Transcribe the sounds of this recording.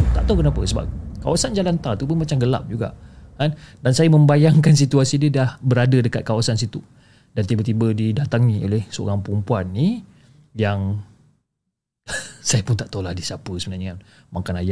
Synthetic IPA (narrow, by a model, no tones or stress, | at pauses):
t̪aʔt̪awkənapə̰səba̰p̚ka̰wasand͡ʒalant̪at̪upʊnmat͡ʃamɡəla̰p̚d͡ʒuɡa̰ʔkandansajamə̃mbajaŋkans̬it̪uasidədahbəɾadədəkat̪̚kawasans̬it̪u | dant̪ibət̪̬ibədidat̪aŋnio̰lehsəo̰ɾaŋpəɾumpuanːi | jaŋ | sajapʊnt̪aʔt̪olahdisapəsəbənarɲəŋan | makanaja